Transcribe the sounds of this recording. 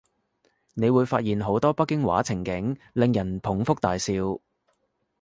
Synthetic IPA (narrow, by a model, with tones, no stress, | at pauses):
ne˨˧jwuː˨˧jfa̰ː˧t̚jiː˨nɦo˨˥wt̪ɔː˥pɐ˥kːɪ˥ŋwa̰ː˨˥t͡sʰɪ˨˩ŋkɪ˨˥ŋ | lɪ˨ŋjɐ˨˩npʰʊ˨˥ŋfʊ˥k̚t̪aː˨jsiː˧w